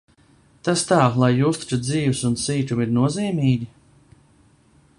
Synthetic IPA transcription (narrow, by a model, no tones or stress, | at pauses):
t̪ast̪aːlˠajːuːst̪i̥t͡ʃud̪ziːvsunsiːt̪umiɾnuɔziːmiːɡʲi